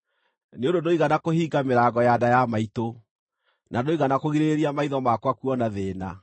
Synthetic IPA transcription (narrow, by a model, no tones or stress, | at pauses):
neondondoiɣanakohiːɡameɾaɡɔjadajamaito | nadoiɣanakoɣiɾeɾeɾiamaiðɔmakwakuɔnaðeːna̰